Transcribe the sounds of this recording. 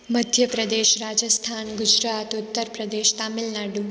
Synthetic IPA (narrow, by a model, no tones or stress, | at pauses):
məd̪ʱjəpɾəd̪eʃɾad͡ʒəst̪ʰanɡʊd͡ʒɾat̪ʊt̪ːəɾpɾəd̪eʃt̪amɪlnaɖu